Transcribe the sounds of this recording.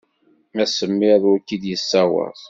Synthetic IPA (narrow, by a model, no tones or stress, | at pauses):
æsəmːɪðwækːid̪jəsːæwə̰θˤ